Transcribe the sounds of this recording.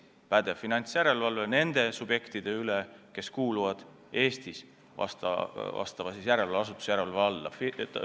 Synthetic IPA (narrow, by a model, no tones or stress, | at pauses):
pæd̪e̞finɑnʲt̪sjæɾe̞lvɑlvene̞nd̪̥e̞sub̥je̞kt̪id̪̥e̞yleke̞skuːluvɑd̪̥ | e̞ːst̪is | vɑ̰st̪ɑ̰ɑ̰st̪ɑvɑsisjæɾe̞lɑeɑs̬ut̪ːˑu̥sjæɾeɑlveɑlːɑ̰fi